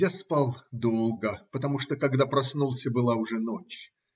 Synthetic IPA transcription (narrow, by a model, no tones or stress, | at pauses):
jaspalˠd̪olˠɡəpət̪ɐmuʂt̪okɐɡd̪apɾɐsnulˠsʲəbɨlˠaʊʐɛnot͡ɕ